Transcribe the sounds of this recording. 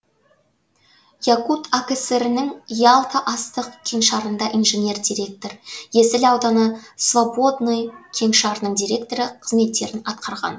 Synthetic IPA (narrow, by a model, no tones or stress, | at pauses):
jakut̪akʲeseɾɪnɪŋijalˠk̪ʰɑʔɑst̪əqkʲʰe̞ŋʃɑɾənd̪ɑʔinʒenʲe̞rd̪iɾe̞k̚t̪oɾje̞sɪlɑwd̪ɑnəsvabo̞d̪nojkʲʰe̞ŋʃɑɾnəɴd̪ijɾʲe̞k̚t̪o̞ɾɪqʰəzme̞t̪ːe̞ɾɪnɑt̪̚qʰɑɾʁɑ̰n